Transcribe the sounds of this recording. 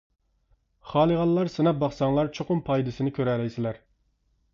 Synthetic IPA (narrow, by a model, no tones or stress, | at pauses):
χɑːlˠəʁɑnlˠɑɾsɨnɑp̚bɑχsɑŋlˠɑɾt͡ʃʰoqʊmpʰɑjd̪ɪsɪnɪkʲʰøɾɛlɛjsɪlæɾ